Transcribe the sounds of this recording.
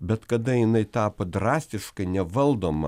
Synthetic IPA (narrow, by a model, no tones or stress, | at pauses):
bʲɛt̪kɐd̪ɐjɪnɐɪt̪ɑːpɐd̪ɾɑːsʲt̪ʲɪʃkɐɪnʲɛʋɐlˠd̪oːmɐ̰